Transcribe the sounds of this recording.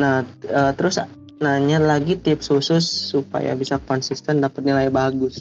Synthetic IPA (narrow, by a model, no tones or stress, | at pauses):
nahəːt̪əɾʊs | naɲalaɡit̪ip̚susʊsːupa̰ja̰bisakɔnsist̪ɛndapat̪̚nilajbaɡʊs